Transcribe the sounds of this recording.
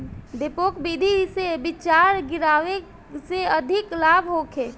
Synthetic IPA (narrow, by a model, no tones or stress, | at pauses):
d̪epoːkbid̪ʱisebɪt͡ʃaːɾɡɪɾaːʋe | seəd̪ʱɪklaːbɦokʰeː